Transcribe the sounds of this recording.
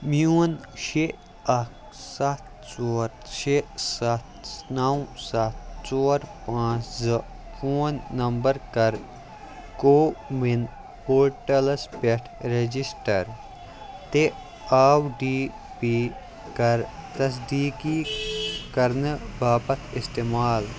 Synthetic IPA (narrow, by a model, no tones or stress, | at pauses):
mjuːn | ʃe | ɐkʰ | sɐt̪̚ | t͡ʃoːɾʃesɐt̪̚nɐwsɐt̪̚t͡ʃoːɾpãːt͡ʃzɨ | foːnːɐmbɐɾkɐɾ | koːmin | poːɾʈɐlspeʈʰɾed͡ʒisʈɐɾ | t̪e | aːwɖiː | piː | kɐɾt̪ɐs̬d̪iːki | kɐɾnɨbaːpɐt̪ʰist̪eːmaːl